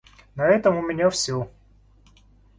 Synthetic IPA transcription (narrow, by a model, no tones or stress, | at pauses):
nɐɛt̪əmʊmʲɪnʲafsʲo